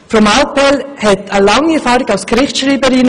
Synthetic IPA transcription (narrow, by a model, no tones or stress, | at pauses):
fɾɔmaʊpɛlhɛtəlɑŋiɛɾfɑːɾɪɡaʊsɡ̥ɾɪχtʃɾiːbəɾɪn